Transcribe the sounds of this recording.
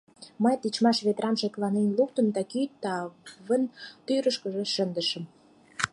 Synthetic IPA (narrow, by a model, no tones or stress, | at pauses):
məjt̪it͡ɕmɑʃβet̪ɾɑnʃeklɑnenluk̚t̪ə̆nd̪ɑkyt̪ːɑβənt̪yɾəʃkə̆ʒĕʃənd̪əʃə̆m